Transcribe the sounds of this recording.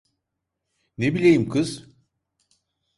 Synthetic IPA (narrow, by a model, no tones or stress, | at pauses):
nebilʲejimkʰɯz̥